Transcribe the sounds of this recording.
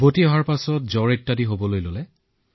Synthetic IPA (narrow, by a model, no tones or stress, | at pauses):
botiɔɦaɹpasɔt̚zɔɹetːadiɦobɔlojlolɛ